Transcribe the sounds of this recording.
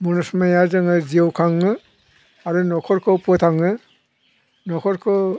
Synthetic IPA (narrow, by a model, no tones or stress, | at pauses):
munɔsmajazɯŋɯziwkʰaŋːɯ | aɾunɔkʰɔɾkʰɯwpʰɔt̪ʰaŋɯ | nɔkʰɔɾkʰɯw